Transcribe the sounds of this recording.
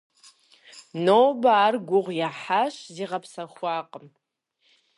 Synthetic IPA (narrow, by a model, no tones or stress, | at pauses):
noːbaːrɡʷʊʁʷjaħaʃziʁapʰsaχʷaːqʼəm